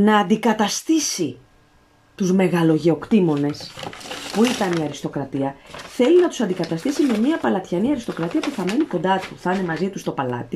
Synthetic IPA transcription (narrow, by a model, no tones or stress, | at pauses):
nɐːnd̪ikɐt̪ɐst̪isi | t̪uzme̞ɣɐlo̞ʝe̞o̞kt̪imo̞ne̞spuit̪ɐniɐɾist̪o̞kɾɐt̪iɐθe̞linɐt̪usɐnd̪ikɐt̪ɐst̪isime̞miɐpɐlɐt̪çɐniɐɾist̪o̞kɾɐt̪iɐpuθɐme̞niko̞nd̪ɐt̪uθɐne̞mɐzit̪ust̪o̞pɐlɐ̰t̪i